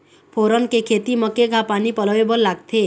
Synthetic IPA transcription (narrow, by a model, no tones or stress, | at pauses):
pʰoɾɔnkekʰet̪iməkeɡʱapanipɔlɔʋebɔlːaɡt̪ʰe